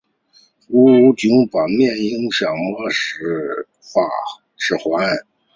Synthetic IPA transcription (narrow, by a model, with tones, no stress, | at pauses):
u˥˧˥t͡ɕy˧˥ŋpɑ˨˩mjɛ˥˩ni˧˥˧ŋɕjɑ˨˩ŋmɔ˥˩ʂɻ̩˧˥ | fa˨˩ | ʂɻ̩˧˩xwa˧˥n˥˩